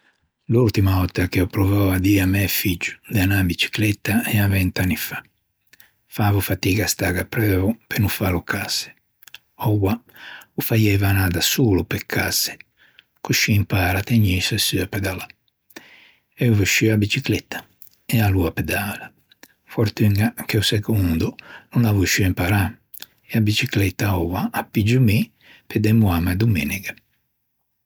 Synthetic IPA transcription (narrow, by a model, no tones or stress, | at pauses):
lult̪imaɔt̪ːakɛɔpɾɔvɔad̪iːamɛfid͡ʒːu̥d̪eanabit͡ʃi̥klɛt̪ːaɛavɛnt̪anːifḁ | faːvufat̪iːɡast̪aɡapɾɛːɔpenufalukʰasɛ̥ | ɔwaufajɛvanaːðasuːlupɛkʰːasɛ̥ | kuʃiimpaːɾat̪eɲisɛsyapɛd̪ala | ɛuvuʃiabit͡ʃiklɛt̪ːḁ | ɛaluapɛd̪aːla | fɔɾt̪yŋɡakeusɛkund̪ununavuʃiimpaɾa | ɛabit͡ʃiklɛt̪ːaɔwaːpːid͡ʒumi | ped̪ɛmuamad̪uminiɡɛ